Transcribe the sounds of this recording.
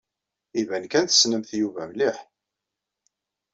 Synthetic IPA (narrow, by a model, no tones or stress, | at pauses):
ivænkænθə̥snəmθjuvæmliħ